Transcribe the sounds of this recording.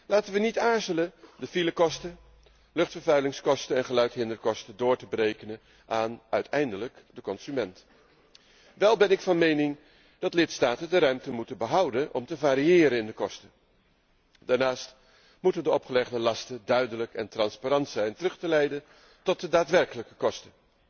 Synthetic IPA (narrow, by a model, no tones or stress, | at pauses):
laːtənʋənitaːɹzələndəfiləkɔstə | lɵχtfəɹvœɥlɪŋskɔstənɛnχəlœɥtɦɪndəɹkɔstədʊːɹtəbrejkənən | ʔaːnœɥtʰɛjndələk | dəkɔnz̥ymɛnt | ʋɛlˠbɛnɪkfɑnmejnɪŋ | d̥ɑtlɪtstaːtəndəɾœɥmtəmutənbəɦʌwdənʔɔmtəvaːɾiɪːɾənɪndəkɔstə | daːɹnaːst | mutəndəɔpχəlɛχdəlɑstədœɥdələkɛntrɑnspaɾɑntsɛjntərɵχtəlɛjdən | tɔt̚dədaːtʋɛrkələkəkɔstə